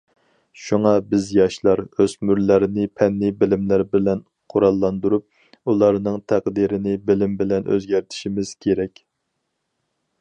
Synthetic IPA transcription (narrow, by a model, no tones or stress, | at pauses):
ʃuŋɑbɪzjɑʃlˠɑɾøzmyɾlæɾɪnɪpʰɛnːɪbɪlɪmlæɾbɪlɛn | qʰoɾɑlˠːɑnd̪uɾup̚ | ulˠɑɾnɨŋt̪ʰæqd̪iɾɪnɪbɪlɪmbɪlɛnʔø̰zɡʲæɾt̪ʰɪ̥ʃimɪz̥kʲʰeɾɛkʲ